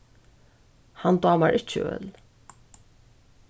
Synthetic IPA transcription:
hand̪ɑːmaɹʔɪt͡ʃːə̰œ̰ːl

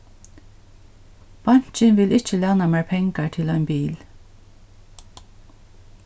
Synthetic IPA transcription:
b̥ɑn̥t͡ʃənʋɪlɪt͡ʃəlæːnameːɹpʰɛŋkaɹt̪ʰɪlœʏnbiːl

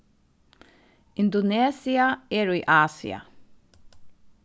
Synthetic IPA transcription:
ɪnd̪ɔneːsɪaeːɹiːʔaːsɪ̰a̰

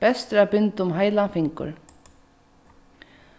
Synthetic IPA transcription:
ɛst̪ɾapɪnt̪ʊmɦaːjlanfɪŋkʊ̰ɾ

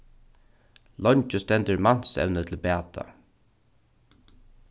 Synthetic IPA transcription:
lɔɲt͡ʃəst̪ɛnt̪əɹman̥sɛ̰wnət̪ʰɪlbæːt̪ʰa̰

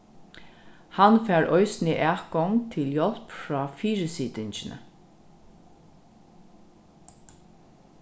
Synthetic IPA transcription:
hanfæːɹʔɔʏsniːʔæːɡɔŋt̪ʰɪljɔlpfɹɑːfiːɹəsiːd̪ɪnt͡ʃɪnʔə̰

